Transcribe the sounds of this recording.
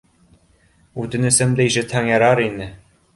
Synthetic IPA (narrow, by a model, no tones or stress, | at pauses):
ut̪ɘ̆nɘ̆sɘ̆md̪æiʃɘ̆t̪hæŋjɑɾɑɾinɘ